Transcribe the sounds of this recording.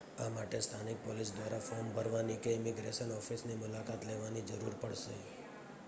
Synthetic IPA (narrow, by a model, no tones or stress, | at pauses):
amaʈest̪ʰanik̚pɔlis̬d̪ʋaɾafɔɾmbʱəɾʋanikeɪmiɡɾeʃənɔfisnimʊlakat̪leʋanid͡ʒəɾuɾpəɽʃe